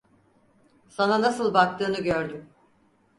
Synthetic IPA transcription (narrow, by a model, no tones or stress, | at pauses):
sananasɯlˠbak̚t̪ʰɯːnɯɟøɾd̪ym